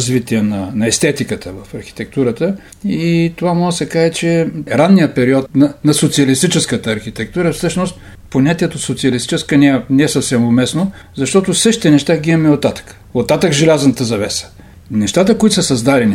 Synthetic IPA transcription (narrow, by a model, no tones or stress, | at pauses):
zvit̪iənɐnɐɛst̪ɛt̪ikət̪əvɐfɐɾxi̥t̪ɛk̚t̪uɾət̪ə | it̪ovamɔɡəsɛkaʒɛt͡ʃɛɾanːijəpɛɾiɔt̪nɐnɐsot̪siɐlist̪it͡ʃɛskət̪əːɾxit̪ɛk̚t̪uɾəfsɤʃnost̪ | ponʲat̪iɛt̪osot̪siɐlist̪i̥t͡ʃɛskənɛɛnɛɛsəfsɛmomɛsno | zɐʃt̪ɔt̪osɤʃt̪i̥t̪ɛnɛʃt̪aɡiimɐmɛot̪ːat̪ə̥k | ot̪ːat̪əkʒɛlʲaznət̪əzɐvɛsə̥ | nɛʃt̪at̪əkoit̪osəsɐzd̪aɾɛni